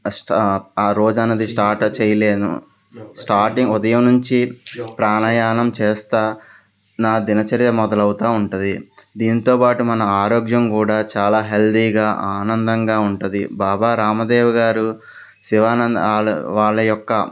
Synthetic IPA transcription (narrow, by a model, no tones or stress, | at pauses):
sʈaːɾo̞ːd͡ʒɐnːɐd̪isʈaːɾʈt͡ʃɛːjɐle̞ːnṵ | sʈaːɾʈiŋɡud̪ɐjɐmnuɲt͡ʃipɾaːnɐjaːnɐmt͡ʃeːst̪aː | naːd̪inɐt͡ʃɐɾjɐmɔd̪ɐlɐwut̪aːuɳʈund̪id̪iːnit̪o̞ːpaːʈumɐnɐaːɾoːɡjɐmkuːɽaːt͡ʃaːlaːɦeld̪iːɡaːʔaːnɐnd̪ɐŋɡaːuɳʈund̪ḭbaːbaːɾaːmɐd̪ɛːʋɐɡaːɾu | siʋaːnɐnd̪ɭ̰ʋaːɭːɐjɔkːɐ̰